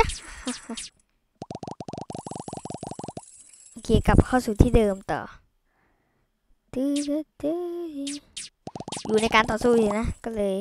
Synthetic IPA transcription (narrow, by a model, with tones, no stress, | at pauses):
ki˨˩ə˨ka˨˩p̚xɔ˧su˧˨˩t̪ʰi˧˦ɗə˨mt̪ɔ̰˧˨˩ | t̪ɨ˧˦ə˦t̪ɨ˧˦i˧ | zṵ˧˨ne˧kaː˧˨nt̪ɔ˧˩su˧zi˨na˧˦kɔ˨˦lə˨